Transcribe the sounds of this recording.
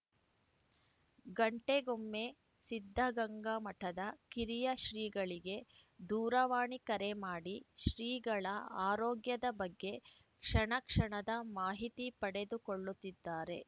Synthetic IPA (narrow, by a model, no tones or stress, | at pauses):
ɡɐɳʈe̞ɡomːe̞ | sid̪ʱːɐɡɐŋɡɐmɐʈʰɐd̪ɐkiɾijɐʃɾiːɡɐɭiɡe̞d̪uːɾɐʋaːɳikɐɾe̞maːɽiʃɾiːɡɐɭɐaːɾoːɡjɐd̪ɐbɐɡːe̞ | kʂɐɳɐkʂɐɳɐd̪ɐmaːɦit̪ipɐɽe̞d̪ukoɭːut̪ːid̪ːaːɾe̞